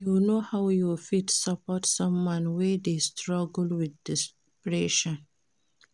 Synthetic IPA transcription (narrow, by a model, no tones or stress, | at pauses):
junohawjufitsapɔtsʌ̃mwãnwɛdestʰɹɔɡlwidːis | pɹɛʃɔ̃n